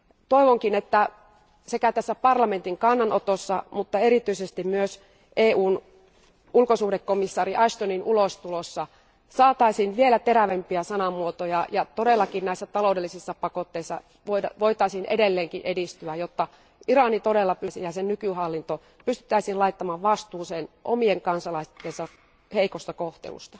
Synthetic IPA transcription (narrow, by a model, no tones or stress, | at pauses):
t̪oiʋoŋkinet̪ːæ | sekæt̪æsːæpɑrlɑment̪iŋkɑnːɑnot̪osːɑmut̪ːɑeɾit̪yisest̪immyøs | ʔeːʔuːn | ulkosuːhdekːomisːɑːriʔɑʃt̪oninulost̪ulosːɑ | sɑːt̪ɑisiːnʋielæt̪eɾæʋempiæsɑnɑmuot̪ojɑjɑt̪odelːɑkinnæˑisːæt̪ɑloudelːisisːɑpɑkot̪ːeisːɑ̰ | ʋoɑʋoit̪ɑisiːnʔedelːeːŋkiʔedist̪yæjot̪ːɑ | iɾɑnit̪odelːɑpysijɑsennykyhɑlːint̪o | pyst̪y̥t̪ːˑæisiːlɑit̪ːɑmɑːʋʋɑst̪uːsenʔo̰mieŋkɑnsɑlɑist̪ːensɑ | heikost̪ɑkoht̪ḛlṵst̪ɑ